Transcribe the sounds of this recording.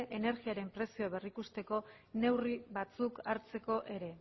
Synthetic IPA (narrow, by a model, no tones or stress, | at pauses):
ʔene̞ɾɣiaɾe̞mpɾe̞sioaβe̞rikust̪e̞ko̞ | ne̞wriβat͡sukaɾt͡se̞ko̞ʔe̞ɾe̞